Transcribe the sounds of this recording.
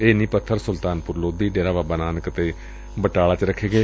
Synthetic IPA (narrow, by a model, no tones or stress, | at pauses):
eːnĩːpət̪ʰːəɾsʊlt̪aːnpʊɾloːd̪iːɖeːɾaːbaːbaːnaːnəkət̪eː | bəʈaːlaːt͡ʃɾəkʰːeːɡeː